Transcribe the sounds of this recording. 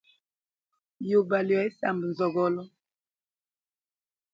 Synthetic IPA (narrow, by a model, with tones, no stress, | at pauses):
jo˨ba˨li˨a˨˦sa˨mbə˨n˨zɔ˨ɡɔ˦lɔ˦